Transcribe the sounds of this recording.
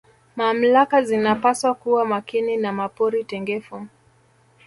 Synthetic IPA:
mam̩lakazinapaswakuwamakininamapɔɾitɛŋɡɛfu

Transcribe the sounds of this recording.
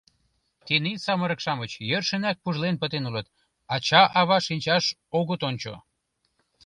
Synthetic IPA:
k̪enisɑmə̆ɾə̆kʃɑmət͡ɕjørʃə̆næk̚puʒlenpət̪enulət̪ | ɑt͡ɕɑʔɑβɑʃinʲt͡ɕɑʃ | oɣət̪onʲt͡ɕo̰

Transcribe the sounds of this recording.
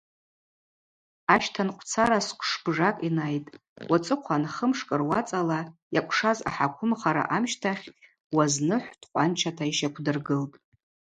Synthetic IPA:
aʃtʰanqʷʰʼt͡sʰaɾaskʷʰʂb̥ʐakʼinajtʼ | wʔat͡sʼɨqʷʰanχəmʂkʼɨrwat͡sʼalajakʷʰʼʂaza̰ħakʷʰʊmχaɾa̰ʔamʃtʰaχʲ | waznɨħʷd̥qʷʼant͡ʃʰatʰaiʃakʷʰdɨrɡɨltʼ

